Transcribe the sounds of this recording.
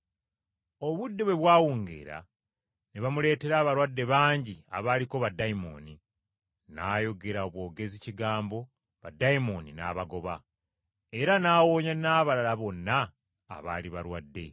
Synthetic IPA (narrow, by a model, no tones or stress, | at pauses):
o̞βudːeβwe̞βwaːwuːŋɡḛːɾa̰ | neβamule̞ːte̞ɾaːβaɾwadːe̞βaːɲɟia̰βaːliko̞βadːaimo̞̰ni | naːjo̞ɡe̞ɾaoβwo̞ːɡe̞ziciɡaːmbo̞ | βadːaimo̞nina̰ːβaɡo̞βa̰ | e̞ɾanaːwo̞ːɲanaːβalalaβo̞nːa̰ː | βaːliβaɾwadːe̞̰